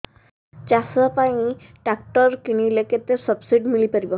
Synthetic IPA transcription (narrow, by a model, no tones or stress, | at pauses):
t͡ʃasapaĩ | ʈak̚ʈɔɾkiñileket̪esɔbsiɖmilipaɾibɔ